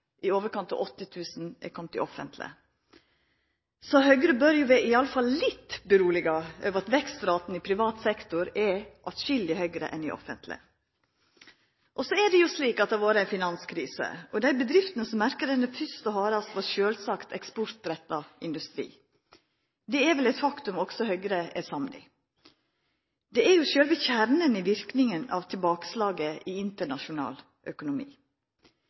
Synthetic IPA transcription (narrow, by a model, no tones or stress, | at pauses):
ʔɪoːʋəɾkʰɑnt̪ɑ̰ʔɔt̪ːət̪ʰʉːsn̩ʔɛ̰kʰɔmt̪ɪʔɔfə̰nt̪lɪ̰ | sɔhœʏɡəɾəbœɾjʊʋɛɪɑləfɑllɪt̪ːbəɾuːlɪɡəøːʋəɾɑt̪ʋɛkst̪ɾɑːt̪n̩ɪpʰɾɪʋɑːt̪sɛkt̪ʊɾɛɾʔɑt̪ʃʏld̪ɪhœʏɡɾə̰ʔɛ̰nɪʔɔ̰fə̰nt̪lɪ̰ | ʔɔsɔɛdɛjʊsliːkɑt̪̚d̪ɑʋoːɾəæɪnfɪnɑnskʰɾiːsə̰ɔd̪æɪbəd̪ɾɪft̪ənəsɔmːæɾkədɛnəfʏst̪ɔhɑːɾɑst̪ʋɑɾʃøːlsɑːkt̪ʰɛkspɔɾt̪ɾɛt̪ːɑɪnd̪ʉst̪ɾḭː | d̪ɛɛɾʋɛlɛɪt̪fɑkt̪ʉmɔksɔhœʏɡɾəʔɛsɑmnɪ̰ | d̪̥ɛɛɾjʊʃøːlʋiːçæɾɳənɪʋɪɾknɪŋənɑ̰ʋt̪ʰɪlbɑːkə̥slɑːɡəʔiɪnt̪əɳɑʃʊnɑ̰ːl | ʔœkʊnʊmḭː